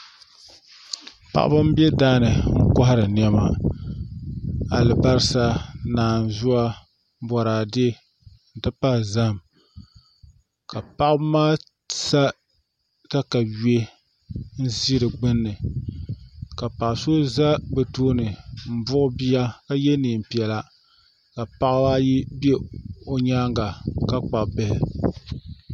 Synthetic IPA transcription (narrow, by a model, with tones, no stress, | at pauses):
pa̰˨ʔa̰˦ba˦m̩˦bi˦ɛ˦daː˦nɨ˨ŋ̩˦ka˦ha˦ɾɨ˨n˨ɛ˦ma̰˨ | a˨lɨ˨ba˦ɾɨ˦sa˦naː˨n˨zʊ˦a˦ | bɔ˨ɾaː˨de˦ | n̩˨tɨ˦pa˦˨za˦˨m | ka˨pa˦ʔbmaː˦ | sa˦ | ta˦ka˨ɥe˦ | n̩˦zi˦ɾɨ˨ɡ͡bɨ˦nːɨ˨ | ka˨pa˨ʔso˦za˦bɛ˨toː˦nɨ˨m̩˨bʊ˦ʔʊ˦bi˦a˦ka˦jɛ˦ni˨m̩˨pi˨ɛ˨la˦ | ka˨pa˦ʔa˦ji˦be˦o˦ɲaː˦ŋɡa˨ka˦k͡pa˨bɛ˦h